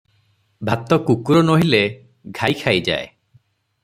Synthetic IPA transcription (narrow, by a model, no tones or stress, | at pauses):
bʱat̪ɔkukuɾɔnoɦile | ɡʱajkʰajd͡ʒa̰e